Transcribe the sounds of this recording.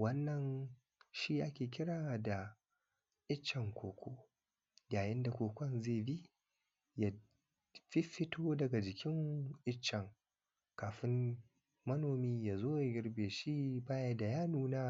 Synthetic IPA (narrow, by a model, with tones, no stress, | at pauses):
wɐ˦nːɐ˨n | ʃi˦ʔa˦kʲeː˨k̬ʲɪ˦ɾaː˨wda˨ | ʔɪ˦t͡ʃːɐ˨ŋkʷoː˨kʷo˦ | jaː˨jɪ˦nda˨kʷoː˨kʷɐ˦nzeː˦˨bi˦ | ja˨ | ɸɪ˦ɸɪ˦tʰoː˦dɐ˨ɡa˨d͡ʒɪ˨kʲɪ˦ŋʔɪ˦t͡ʃːɛ˨ŋ | kaː˨ɸɪ˦m | mɐ˦noː˨miː˦jaː˨zoː˦ja˨ɡʲɪ˦ɾbeː˨ʃi˦baː˦ja˦da˨jaː˦nuː˦naː˦